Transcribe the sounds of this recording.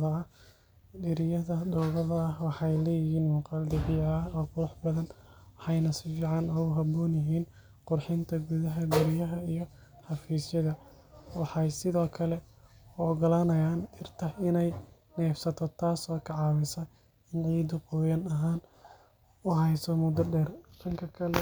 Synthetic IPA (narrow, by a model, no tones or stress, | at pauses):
ɐɐ | ɖɪɾɪjɐðɐd̪ɔwɣɐðɐːhwɑħɑjlɛːjɪhiːnmʊːqɑld̪ɪʕɪjɐɐɔːqʊɾʊħbɐðɐnħɑjnɐsɪjɪʕɑnɔːɣʊɦɐbɔːnjɪɦiːn | qʊrħɪnt̪ʰɐɡuðɐɦɐɡʊɾɪjɐɦɐijɞ | ħɑfiːsjɐðɐ | wɑħɑjsɪðɔːkʰɐlɛɔːɡɐlɐnɐjaːnɪrt̪ʰɐɪnɛj | nɛːfsɐt̪ʰɔt̪ʰaːsɔːkʰɑʕɑːwɪsɐ | ɪnʕiːd̪ʊqɔːjɐnɐɦaːn | ʊɦɛjsɔmʊd̪ɐɖɛːrdɐŋkʰɐkʰɐlɛ